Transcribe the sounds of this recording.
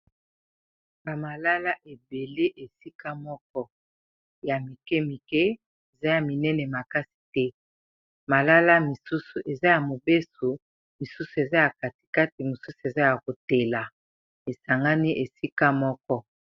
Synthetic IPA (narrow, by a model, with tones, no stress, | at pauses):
ba˨ma˨la˦la˦ʔe˨be˨le˦ʔe˨si˦ka˦mɔ˦k̚ɔ˦ | ja˨mi˨kɛ˦mi˨kɛ˦ | e˨za˦ja˨mi˨nɛ˦nɛ˨ma˨ka˦si̥˨tɛ˦ | ma˨la˦la˦mi˨su˦su˨ʔe˨za˦ja˨mo˨be˦su˨ | mi˨su˦su˨e˨za˦ja˨ka˨ti̥˨ka˦ti˨mo˨su˦su˨e˨za˦ja˨ko˨tɛ˨la˨ | e˨sa˨ŋɡa˦ni˦ʔe˨si˦ka˦mɔ˦kɔ˦